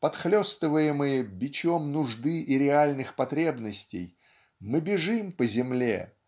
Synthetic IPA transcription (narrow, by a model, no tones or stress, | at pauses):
pɐt̪xlʲost̪ɨvəjɪmɨjəbʲɪt͡ɕomnʊʐd̪ɨʔiɾʲɪalʲnɨxpɐt̪ɾʲe̞bnəsʲtʲɪ̰j | mɨbʲɪʐɨmpəzʲɪmlʲḛ